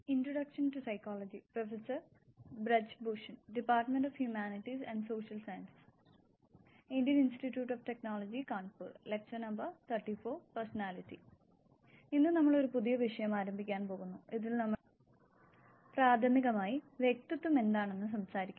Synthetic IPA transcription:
introɽɐkʂɐntusɐjkːoːlɐd͡ʑiprofesɐrbrɐd͡ʑbuʂɐnɖipːaːrʈːɐmenɖofhjumaːniʈːisɐnɖso̞ːʂɐlsɐjɐnsi̥s | indjɐninsʈitːjuːʈːofʈe̞knoːlɐd͡ʑikaːɳpuːɾlek̚t͡ʃɐnɐmbɐrt̪ʰɐrʈːifo̞ːpɐrsɐnaːlitːḭ | inːɨnɐmːɐɭo̞ɾupuðijɐʋiʂɐjɐmaːɾɐmbʱikʲːaːnpo̞ːɣunːuiðilnɐmːɐɭ | praːd̪ʰʱɐmiɣɐmaːjiʋjek̚t̪ɐt̪ːume̞nd̪aːɳe̞nːɨs̬ɐmsaːɾikʲːu

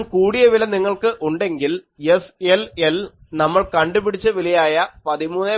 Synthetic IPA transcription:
kuːɽijɐʋilɐniŋːɐɭkɨʔuɳɖe̞ŋɡil | jeselelnɐmːɐɭkɐɳɖubiɽit͡ɕːɨʋilijaːjɐpɐðimuːnːe

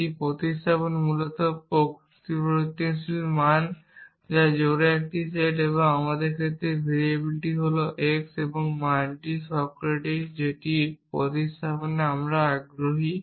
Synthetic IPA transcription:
ipɾot̪ist̪ʰaponmulot̪ɔpo | t̪pot̪ːinsilman | d͡ʑad͡ʑoɾeek̚ʈiseʈeβoŋamad̪eɾkʰet̪ɾebʱiɾebiliʈiɦoloʔekseboŋmaɳʈisɔbkɾeʈaʈd͡ʑeʈipɾo̰t̪ist̪ʰaponeamɾaaɡɾoɦi

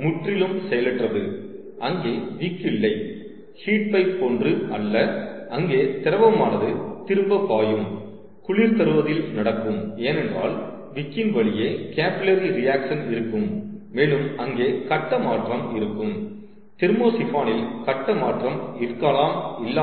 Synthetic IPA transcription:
mʊʈrɪlɯmsɛjɐlɪʈrɐðɯ | ʔɐŋɡeːʋɪkːɪlːɐɪ | hiːʈ̚pɐɪppoːndrɯɐlːɐɐŋɡeːt̪ɪɾɐʋɐmaːnɐðɯt̪ɪɾɯmbɐpːaːjɯm | kʊɭiːɾt̪ɐɾɯʋɐðɪlnɐɽɐkːɯmeːnɛndra̰ːl | ʋɪkːɪnʋɐɭɪjeːkaːpːɪlɐɾiɾɪjaːkʂɐnɪɾɯkːɯmːeːlɯmɐŋɡeːkɐʈːɐmaːʈrɐmɪɾɯkːɯm | t̪ɪɾmoːsɪfaːnɪlkɐʈːɐmaːʈrɐmɪrkːaːlaːmɪlːaː

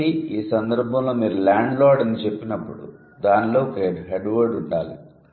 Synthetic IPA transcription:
iiːsɐnd̪ɐɾbʱɐ̃mlo̞ːmiːɾulaːɳɖlɔːɖɐnit͡ʃe̞pːinɐpːuɽṵ | d̪aːnloːkeːɖɦeɖʋɐɾɖuɳɖaːlḭ

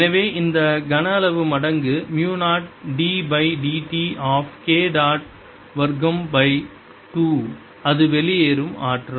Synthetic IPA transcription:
nɐʋeːʔɪnd̪ɐɡɐnɐɐlɐʋɯmɐɽɐŋɡɯmjuːnaːʈ̚ɖiːbɐɪɖiːʈiʔaːfkeːɖaːʈ̚ | ʋɐɾɡɐmbɐɪ | ʈuː | ɐðɯʋɛɭɪjeːɾɯma̰ːʈrɐ

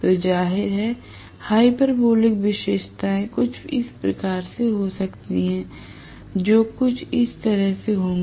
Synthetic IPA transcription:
t̪od͡ʒaːɦɪɾɦɛ | haːipəɾboːlɪkʋɪʃeːʃt̪aẽkʊt͡ʃʰɪspɾɐkaːɾseɦosɐkt̪iɦɛ̃ː | d͡ʒoːkʊt͡ʃʰɪst̪ɐɾəɦseɦõːɡ

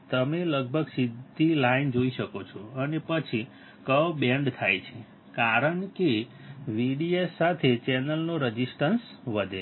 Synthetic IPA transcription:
t̪əmeləɡ̚bʱəɡsid̪ʱilaind͡ʒoiʃəkot͡ʃʰoənepət͡ʃʰi | kəʋbeɳɖt̪ʰajt͡ʃʰe | kaɾəɳke | ʋiɽiesːat̪ʰet͡ʃɛnəlnoɾəd͡ʒisʈəns | ʋəd̪ʱe

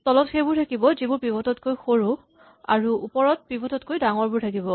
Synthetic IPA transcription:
tɔlɔtxejbʊɹtʰakibɔzibʊɹpibɔtɔtkojxoɹu | a̰ɹuupɔɹɔt̚pibɔtɔtkojdaŋɔɹbʊɹtʰakibɔ

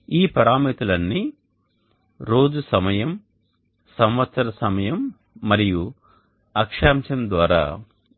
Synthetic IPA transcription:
iːpɐɾaːmit̪ulɐnːi | ɾo̞ːd͡ʒusɐmɐjɐm | sɐmʋɐt̪sɐɾɐsɐmɐjɐmː | ɐɾiju | ɐkʂaːmt͡ʃɐnd̪ʋaːɾa̰ː

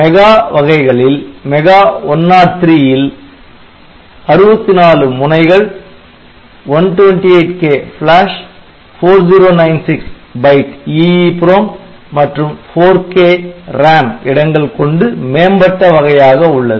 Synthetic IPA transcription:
mɛɣaːʋɐɣɐɪɣɐɭɪlmɛɣaːɔnːaːɾt̪ɾiːjɪl | ɐɾɯbɐt̪ːinaːlɯmʊnɐɪɣɐɭ | ʋɐnʈʋɛnʈiɐɪʈkeːfɭaːʂ | foːɾd͡ʒiːɾoːnɐɪnsɪks | bɐɪʈiːipɾoːmː | ɐʈrɯmfoːɾkeːɾaːmɪɽɐŋɡɐɭkɔɳɖɯmeːmbɐʈːɐʋɐɣɐjaːɣɐʊɭːɐðɯ

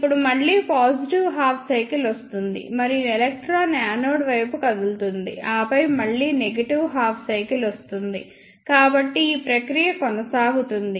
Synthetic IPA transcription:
ipːuɽumɐɭːiːpaːsiʈiʋɦaːpʰsɐjkilost̪und̪ḭmɐɾijɛlek̚ʈɾaːnjaːnoːɽʋɐjpukɐd̪ult̪und̪ḭaːpɐjmɐɭːiːneɡɐʈiʋɦaːpʰsɐjkilost̪und̪ḭ | kaːbɐʈːiiːpɾɐkɾijɐkɔnɐsaːɡut̪und̪i

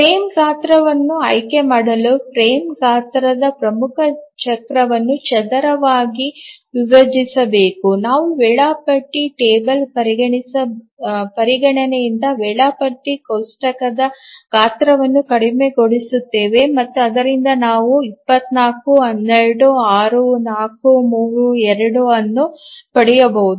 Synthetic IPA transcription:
pɾeːmɡaːt̪ɾɐʋɐnːuɐ̰jke̞maːɽɐlupʰɾeːmkaːt̪ɾɐd̪ɐpɾɐmukʰɐt͡ʃɐkɾɐʋɐnːut͡ʃɛd̪ɐɾɐʋaːɡiʋiʋɐd͡ʒisɐbe̞ːkunaːʋuʋɛːɭaːpɐʈːiʈeːbɐlpɐɾiɡɐɳisɐ | pɐɾiɡɐɳɐnejind̪ɐʋɛːɭaːpɐʈːikɐwsʈɐkɐd̪ɐkaːt̪ɾɐʋɐnːukɐɽime̞ɡo̞ɽisut̪ːe̞ːʋe̞mɐt̪ːuɐd̪ɐɾind̪ɐnaːʋuipːɐt̪naːkuɦɐnːeɭɐɽuaːɾunaːkumuːɾuɛɾɐɽuɐnːupɐɽijɐbɐɦud̪uu

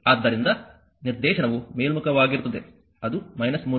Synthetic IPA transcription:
ɐːd̪ːɐɾind̪ɐ | niɾd̪ɛːʃɐnɐʋumeːlmukɐʋaːɡiɾut̪ːɐd̪e̞̰ | ɐd̪umɐjnɐsmuː

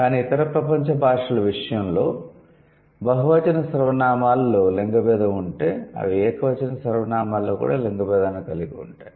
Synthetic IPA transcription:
kaːniːt̪ɐɾɐpɾɐpɐɲt͡ʃɐbʱaːʂɐlɐʋiʂɐjɐmlo̞ː | bɐɦuʋɐt͡ʃɐnɐsɐɾɐʋɐnaːmaːlːoːleŋɡɐbɛːd̪ɐuɳʈe̞ːɐ̰ʋiɛːkɐʋɐt͡ʃɐnɐsɐɾɐʋɐnaːmaːlːoːkṵːɽa̰ːleŋɡɐbɛːd̪aːnikɐliɡiṵɳʈaːji

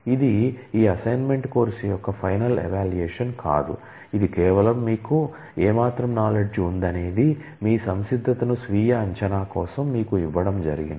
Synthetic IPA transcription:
id̪iiːɐsɐjnme̞ɳʈko̞ːɾsijɔkːɐpʰɐjnɐlɛ̰ʋaːlueːʂɐnka̰ːd̪u | id̪ikɛːʋɐlɐmːiːku | ɛːmaːt̪ɾɐmnaːleɖd͡ʒund̪ɐne̞ːd̪i | miːsɐmsid̪ʱːɐt̪ɐnusʋiːjɐɐɲt͡ʃɐnaːkɔːsɐmːiːkuiʋːɐɽɐmd͡ʒɐɾiɡin

